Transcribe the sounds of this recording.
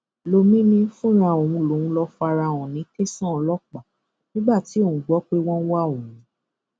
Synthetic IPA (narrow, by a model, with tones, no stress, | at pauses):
lo˧mĩ˦nĩ˧˦fũ˦ɾ̃ã˨o˨wũ˧lo˨ũ˧˦lɔ˧fa˧ɾa˧˨w̃ɔ̃˨nĩ˨˦ke˦sã˦˨˧lɔ˦k͡pa˨ | nĩ˦ɡ͡ba˦˨ti˨˦o˦˨ũ˨ɡ͡bɔ˨˦k͡pe˦w̃ɔ̃˦n˦wa˦˨o˨wũ˨˦